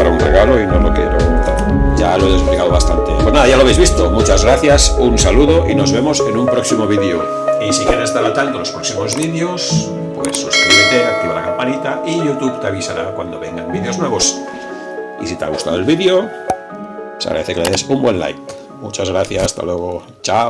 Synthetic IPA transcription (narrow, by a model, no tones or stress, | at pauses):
aɾaunreɣaloinolokjeɾoment̪a̰ɾ | ʝaloeðesplikaðoβast̪ant̪epwe̞znaðajaloaβejzβist̪omut͡ʃazɣɾaθjasunsaluðoʔino̞zβe̞mose̞numpɾoksimoβ̞iðeo | isikjeɾest̪aɾlat̪ant̪olo̞spɾoksimo̞zβiðeos | pwḛsːuskɾiβet̪eakt̪iβalakampanit̪aiʝut̪uβt̪eaβisaɾakwand̪oβeŋɡambiðeo̞znwe̞βo̞s | ḭsit̪ea̰ɣust̪a̰ðoelβiðjo | sa̰ɣɾa̰ðeθekeleðesumbwenla̰jk | mut͡ʃazɣɾaθjasast̪a̰lweɣo | t͡ʃaw